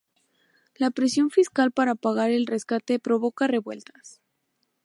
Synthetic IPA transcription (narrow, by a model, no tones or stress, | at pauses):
lapɾesjo̞ɱfiskalpaɾapaɣaɾe̞lre̞skat̪e̞pɾo̞βo̞kare̞βwe̞lt̪ḁs